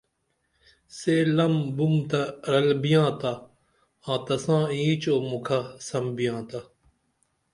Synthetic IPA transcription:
seːlɐmbumt̪ɐɾɐlbijãːt̪a | ãːt̪ɐsãːĩːt͡ʃoːmukʰasɐmbijãːt̪a

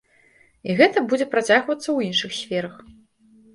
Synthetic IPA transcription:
iɣɛt̪ɐbud͡zʲɛpɾat͡sʲaɣvɐt̪sːɐwinʂɨxsʲfʲɛɾɐx

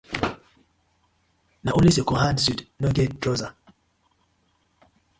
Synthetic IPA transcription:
naʔulisekɔɦansudnɔɡɛddɾɔza

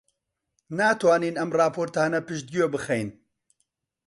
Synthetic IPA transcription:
naːt̪ʰwaːniːnɐmrɑːpʰoːɾt̪aːnɐpɨʃd̪̚ɡijoːbɨxejn

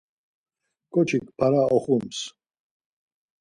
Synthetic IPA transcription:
kʼɔt͡ʃʰikpʰaɾaɔχums

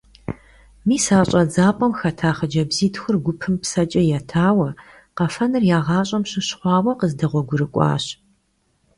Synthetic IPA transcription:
miːsaːɕʼɐd͡zaːpʼɔmxɐtʰaːχɐd͡ʒɐbziːtxʷʊrɡʷʊpʰɨmpsɐt͡ʃʼɐjaːtʰaːwɐ | qɐfɐnɨrjaːʁɑːɕʼɐmɕɨɕχʷɑːwɐqəzdɐʁʷɔɡʷʊɾɨkʷʼɑ̰ːɕ

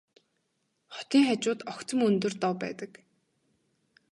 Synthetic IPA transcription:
χɔ̥t̪iːŋχat͡ɕʊːt̪ɔkt͡sə̆mɵnt̪ɵ̆rt̪ɔwpæ̰ːt̪ə̆k

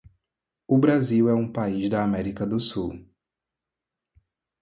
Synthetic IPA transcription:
ʊbɾaziwɛũpaizd̪ɐːmɛɾikɐd̪ʊsuw

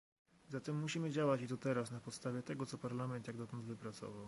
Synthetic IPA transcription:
zat̪ɛmːuɕimɘd͡ʑawat͡ɕit̪ɔt̪ɛɾasnapɔt̪st̪avʲjɛt̪ɛɡɔt̪sɔpaɾlamɛnt̪jaɡd̪ɔt̪ɔnd̪vɘpɾat̪sɔ̰vaw

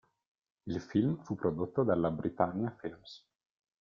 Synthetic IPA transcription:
ilfilmfupːɾod̪ot̪ːod̪alːabɾit̪anːjafilms

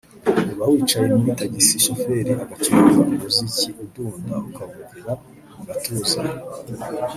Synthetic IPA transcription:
uβawiːt͡ʃajenuataɟisiʃofe̞ɾiaɡat͡ʃuzamoziciʔuduːndaukavuɡiɾa | muɡatuːza

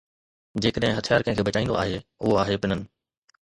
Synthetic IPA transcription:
d͡ʑeːkəɗɦɪ̃ɦɐt̪ʰijaːɾkɐ̃ɦɪ̃kʰeːbɐt͡ɕaːĩndo̰ʔa̰ːɦeʊɦoaːɦepɪnənɪ̆

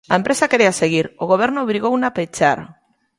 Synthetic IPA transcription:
ampɾe̞sake̞ɾe̞ase̞ɣ̞iɾoɣo̞β̞e̞ɾnoβiɾiɣownapet͡ʃaɾ

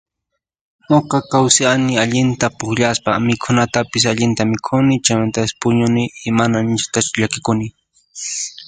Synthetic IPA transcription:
noqɑkawsɪanɪaʎɪnt̪apʊkʎaspamɪkʰʊnat̪apɪsaʎɪnt̪amɪkʰʊnɪt͡ʃajmant̪asɪ̥pʊɲʊnɪːmanant͡ʃḁt̪at͡ʃʊʎakɪkʊnɪ

